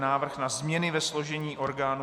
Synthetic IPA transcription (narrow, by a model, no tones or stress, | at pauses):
naːvr̩xnazmɲɛnɪvɛslo̞ʒɛɲiːʔo̞ɾɡaːnu